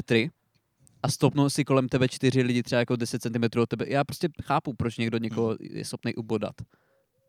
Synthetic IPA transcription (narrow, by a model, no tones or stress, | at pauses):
ɛt̪ɾɪ | ʔast̪opnowsɪko̞lɛmt̪ɛbɛt͡ʃt̪ɪɾ̝ɪlɪɟɪt̪r̝̥ɛbajako̞dɛsɛt̪t͡sɛnt̪ɪmɛt̪ɾuːot̪ːɛbɛjaːpɾoscɛxaːpupɾot͡ʃɲɛɡdoɲɛkoɦo̰jɛ̰sxopnejʔuboda̰t̪